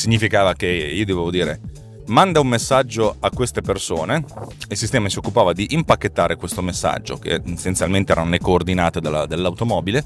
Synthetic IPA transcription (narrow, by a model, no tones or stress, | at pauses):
siɲːifikaːvakeiːod̪evevod̪iːɾe | mand̪aumːesːad͡ʒːoakːwest̪epersoːneilsist̪ɛːmasiokːupaːvad̪iʔimpakːet̪ːaːɾekwest̪omesːa̰d͡ʒːo̰kḛesːent̪jalment̪eɛːɾanolekoːrd̪inaːt̪ed̪alad̪elːawt̪omɔːbile